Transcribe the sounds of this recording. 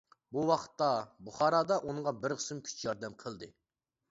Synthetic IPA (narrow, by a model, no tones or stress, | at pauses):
buwɑqʰə̥t̪ːɑbuχɑːɾɑːd̪ɑʔuŋŋʁɑbɪɾqʰə̥sɪmkʲʰy̥t͡ʃʰjɑɾd̪ɛmqʰəlˠd̪ɨ